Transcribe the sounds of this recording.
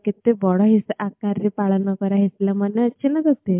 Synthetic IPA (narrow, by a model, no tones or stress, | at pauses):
kit̪ːebɔɽɔɦisakaɾːipaɭnɔkəɾaɦislamənːaəɕinad͡z̪əst̪e